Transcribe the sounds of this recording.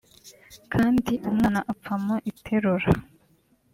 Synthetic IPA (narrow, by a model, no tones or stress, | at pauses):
kʰaːndiʔumŋaːnaʔapp͡famoʔitʰeɾuɾa